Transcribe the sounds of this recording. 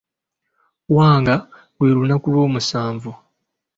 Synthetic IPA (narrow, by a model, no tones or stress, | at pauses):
waːŋɡa | lweːɾunakulwo̞ːmusaːɱvu